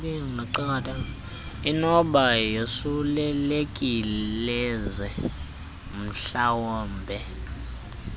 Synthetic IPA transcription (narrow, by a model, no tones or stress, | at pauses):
iŋaǃaatʼa | inɔɓajosulɛlekʼillɛzɛ | m̩ɬawɔːmbʱɛ